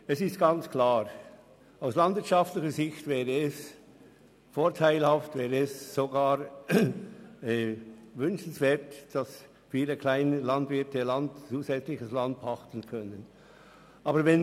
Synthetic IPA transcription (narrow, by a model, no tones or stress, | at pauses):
ɛsɪstɡ̥ɑnt͡skʰlaːʁ | aʊslɑndvɪɐt͡ʃɑftlɪçəɾzɪçtvɛːʁəɛs | foːʁtʰaɪlhɑftvɛːʁəɛsːoɡaːɾ | ɛvʏnʃn̩svɛːɐtd̥ɑs | fiːləkʰl̥aɪnəlɑndvɪtəlɑntt͡suːzɛt͡slɪçəslɑnd̚bɑχtən̩kʰœnən | ʔɑːbəɾvɛn